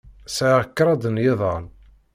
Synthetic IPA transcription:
sʕʁəkːɾˤɑd̪ˤənjɪðˤən

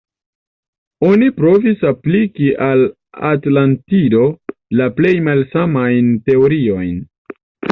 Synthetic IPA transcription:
o̞nipɾo̞visaplikiʔal | a̰tlantido̞laple̞jmalsamajnte̞oɾio̞jn

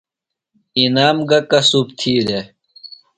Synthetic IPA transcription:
inaːmɡɐkɐsup̚t̪ʰiːɾe

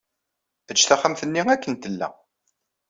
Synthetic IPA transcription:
θət͡ʃːθæχəmθənːiækːənt̪əlːæ̰

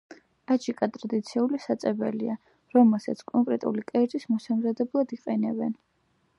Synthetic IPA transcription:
ad͡ʒikʼat̪ʼɾad̪it̪sʰiulisat̪sʼɛbɛlia | ɾɔmɛlˠsat̪sʰkʼɔŋkʼɾɛt̪ʼṵlikʼɛɾd̪ʼismɔsamzad̪ɛblˠad̪iqʼɛnɛbɛn

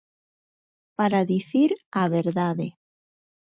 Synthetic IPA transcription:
paɾaðiθiɾaβeɾðaðe

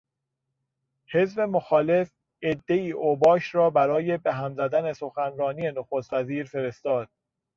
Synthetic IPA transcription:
he̞zbe̞moxɒːle̞f | ed̪ːe̞iːʔobɒːʃɾɒːbæɾɒːje̞beɦæmzæd̪æne̞so̞xænɾɒːnije̞noxost̪væziːɾfe̞ɾe̞st̪ɒːd̪̥

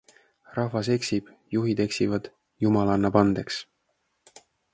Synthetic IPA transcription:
rɑhvɑse̞ksib̥ | juɦid̪̥e̞ksivɑd̪̥ | jumɑlɑnːɑpɑnd̪̥e̞ks

